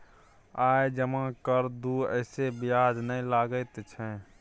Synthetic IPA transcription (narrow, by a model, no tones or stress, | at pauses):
ajd͡ʒəmãkəɾd̪uə̰ɪsebijad͡ʒnəĩlaɡəɪt̪t͡ʃʰɛ̃